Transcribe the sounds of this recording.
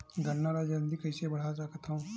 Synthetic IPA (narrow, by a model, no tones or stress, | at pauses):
ɡɐnːaɾad͡ʒɐnd̪ikɐɪsebɐɽ̤ad͡ʒaːkət̪ʰaũ